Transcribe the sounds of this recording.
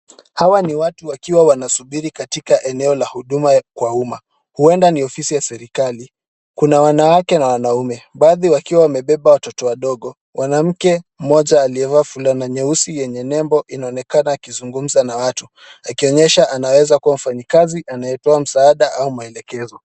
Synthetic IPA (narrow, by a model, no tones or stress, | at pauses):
hawaniwatuwakiwawanasuɓiɾikatikaʔɛnɛɔlahuɗumakwauma | huɛndaniɔfisijasɛɾikali | kunawanawakɛnawanaumɛɓaːðiwakiwawamɛɓɛɓawatɔtɔwaɗɔɠɔ | wʔanam̩kɛm̩mɔʄaːliɛvafulanaɲɛusijɛɲɛnɛmbɔʔinaɔnɛkanaːkizuŋɡum̩zanawatu | akiɔɲɛʃaʔanawɛzakuwam̩faɲikaziʔanajɛtɔam̩saaɗaʔaumaɛlɛkɛzɔ